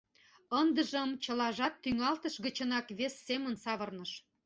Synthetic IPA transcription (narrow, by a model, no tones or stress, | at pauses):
ənd̪ə̆ʒə̆mt͡ɕə̆lɑʒɑt̪ːyŋɑlt̪əʃɣət͡ɕənɑkβesːemənsɑβɤrnɤʃ